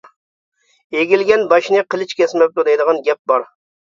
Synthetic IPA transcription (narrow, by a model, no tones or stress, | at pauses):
eɡʲilɡʲɛnbɑʃnɨqʰəlˠɨt͡ʃkʲɛsmɛp̚t̪ud̪ɛjd̪əʁɑnɡʲɛp̚bɑɾ